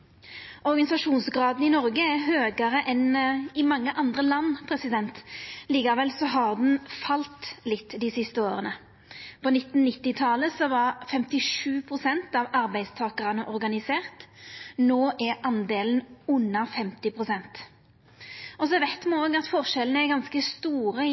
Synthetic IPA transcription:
ʔɔɾɡɑnɪsɑʂuːnsɡɾɑːd̪n̩ɪnɔɾɡəæɾɦøːɡɑɾəʔɛnɪmɑŋːəʔɑnd̪ʁəlɑnːpʰɾɛsɪd̪ɛnt̪liːkɑʋɛlsɔɦɑʁd̪n̩fɑlt̪lɪt̪ːd̪ɪsɪst̪əoːʁənə | pʰɔnɪt̪n̩nːɪt̪ːɪt̪ʰɑləsɔʋɑʁfɛmt̪ɪʂʉːpʰɾʊsɛnt̪ɑʋɑɾbæɪst̪ʰɑːkəɾɑnəʔɔɾɡɑnɪseːʁt̪noːʔæɾɑnd̪eːlən̩ʉnːɑfɛmt̪ɪpʰɾʊsɛnt̪ | ɔsɔɛʋɛt̪mɛoːɡɑt̪fɔʁʂɛlənəæɾɡɑnskəst̪uːɾə

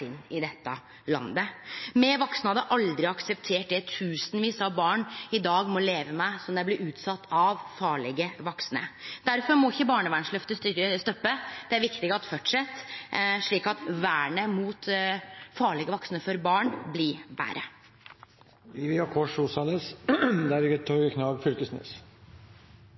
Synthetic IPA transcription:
ɪnːɪd̪ɛt̪ːə | lɑ̰nd̪əmɛʋɔksnɑd̪ɛʔɑld̪ɾɪɑksəpt̪ʰeːʈ̚d̪ɛt̪ʰʉːsənʋiːsɑbɑːɳɪd̪ɑːɡmɔleːʋəmæɪsɔmd̪æɪblɪɾʉːt̪sɑt̪ʰːɑʋfɑːɭɛɡəʋɔksnə̰d̪̥æɾfɔɾmɔɪçːəbɑːɳəʋæɳʂlœft̪əsɾəst̪œpːəd̪̥ɛæɾʋɪkt̪ɪɡəɑt̪fœʈʂɛt̪ːʂɭiːkɑt̪ʋæːɳəmuːt̪ | fɑːɭɪɡəʋɔksnəfɔɾbɑːɳblɪʋæ̰ːɾə̰ | ɪʋɪɑkʰɔʂuːsɑləsd̪æɾɪət̪ʰɑːkʰnɑːʋfʏlkəsnḛːs

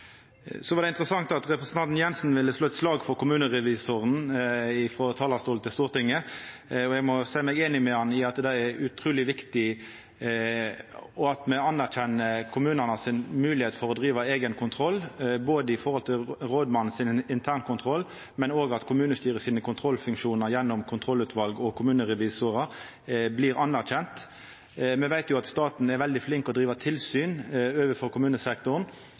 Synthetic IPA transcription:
sɔʋɑʁdɛɪnt̪ʁəsɑŋt̪ɑt̪ʁɛpɾəsən̩t̪ɑnt̪n̩jɛnsn̩ʋɪlːəsloːɛt̪slɑːɡfɔɾkʊmʉːnəʁɛʋiːsoʁənɪfɾɔt̪ʰɑːlɑst̪uːlt̪ʰɪlst̪uːʁt̪ɪŋːəɔɛɡmɔsæɪmɛɡeːnɪmɛhɑnɪɑt̪d̪ɛɛʉt̪ʰɾuːlɪʋɪkt̪ɪ | ɔɑt̪mɛɑnːæʁçɛnːəkʰʊmʉːnəʁnɑsɪnmʉːlɪheːt̪fɔɾɔd̪ʁiːʋɑeːɡənkʰʊnt̪ʰɾɔlːboːd̪əɪfɔʁhɔlt̪ʰɪlɾoːd̪mɑnn̩sɪnɪnt̪ʰæːʁnkʰʊnt̪ʰɾɔlː | mɛnoːɡɑt̪kʰʊmʉːnəst̪yːɾəsiːnəkʰʊnt̪ʰʁɔlfʉŋkʂuːnəɾjɛnːɔmkʰʊnt̪ʰɾɔlʉːt̪ʰʋɑlɡɔkʰʊmʉːnəʁɛʋiːsʊʁə | bliːɾɑnːæʁçɛnt̪ | mɛʋæɪt̪jʊɑt̪st̪ɑːt̪n̩ɛɾʋɛld̪ɪflɪŋkɔd̪ʁiːʋɑt̪ʰɪlsyːnøːʋəfɔɾkʊmʉːnəsɛkt̪ʊn

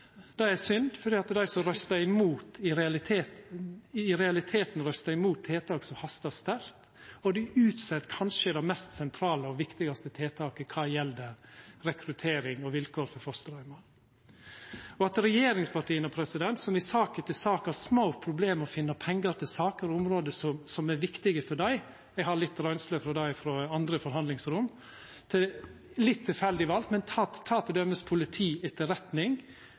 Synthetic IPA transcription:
d̪̥ɛæsʏnd̪fɔɖiːɑt̪d̪æɪsɔɾœst̪ɑɪmuːt̪ɪɾɛɑlɪt̪ʰeːt̪ | ɪɾɛɑlɪt̪ʰeːt̪n̩ɾœst̪ɑɪmuːt̪ʰːeːt̪ʰɑːksɔhɑst̪ɑst̪æɾt̪ | ɔd̪ɪʔʉːt̪sɛt̪kʰɑnʂəɪd̪ɛmɛst̪sɛnt̪ʰɾɑːləɔʋɪkt̪ɪɡɑst̪ət̪ʰeːt̪ʰɑːkəkʰɑːjɛld̪əɾɛkʰɾʉt̪ʰeːɾɪŋɔʋɪlkʰoːɾfɔɾfɔst̪ɾɑʏmɑ | ɔɑt̪ɾɛjeːɾɪŋspʰɑʈiːənəɔpʰɾɛsɪd̪ɛnt̪sɔmɪsɑːkət̪ɪlsɑːkhɑsmoʊpʰɾʊbleːmɔfɪnːɑpʰɛŋɡəɾt̪ʰɪlsɑːkəɾɔʊmɾoːd̪əsɔmsɔmæɾʋɪkt̪ɪɡəfɔɖæɪ | ɛɡɦɑɾlɪt̪ːɾœʏnsləfɾɔd̪æɪfɾɔɑnd̪ɾəfɔɾɦɑnd̪lɪŋsɾʊm | t̪ʰɪ | lɪt̪ʰːɪlfɛld̪ɪʋɑlt̪mɛnt̪ʰɑt̪ʰːɑːt̪ʰɪd̪œmːəspʰʊlɪt̪ʰiːɛt̪ʰːəɾɛt̪nɪŋ

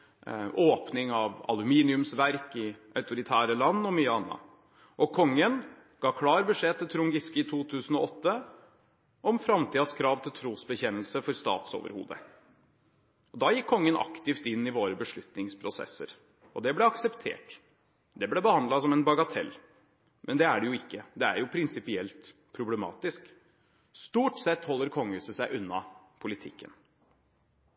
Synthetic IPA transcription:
ʔoːpnɪŋɑʋɑ̰lʉmiːnɪʉmsʋæɾkɪʔɑʉt̪ʊɾɪt̪ʰæːɾəlɑnːɔmyɑnːɑ̰ | ʔɔkʰɔŋːən | ɡ̥ɑːkʰlɑːɾbəʂeːt̪ʰɪlt̪ʰɾʊŋɡɪskɪɪt̪ʰuːt̪ʰʉːsən̩ɔɔt̪ːə | ʔɔmfɾɑmt̪ʰiːd̪ɑskʰɾɑːʋt̪ʰɪlt̪ʰɾuːsbəçɛnəlsəfɔɾst̪ɑ̰ːt̪so̰ːʋə̰ɾhṵːd̪ə̰ | ɔd̪ɑːjɪkʰːɔŋːənʔɑ̰kt̪ɪft̪ɪnːɪʋoːɾəbəʂɭʉt̪nɪŋspʰɾʊsɛ̰sːə̰ɾ | ɔd̪ɛblɛɑksɛpt̪ʰḛːʈ | d̪ɛblɛbəhɑnd̪lɑsɔmɛnbɑɡɑt̪ʰɛ̰lː | mʔɛnd̪ɛæɖɛjʊɪkːəd̪ɛæ̰ɾjʊpʰɾɪnsɪpɪɛlt̪pʰɾʊblɛmɑ̰ːt̪ɪsk | st̪uːʈsɛt̪ːhɔlːəɾkʰɔŋːʉːsəsæɪʔʉnːɑ̰pʰʊlɪt̪ʰɪkːə̰n

